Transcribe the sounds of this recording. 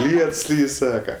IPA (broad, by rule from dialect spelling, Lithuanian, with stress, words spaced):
ˈlʲiɛts ˈlʲiːj ˈsɑːkɐ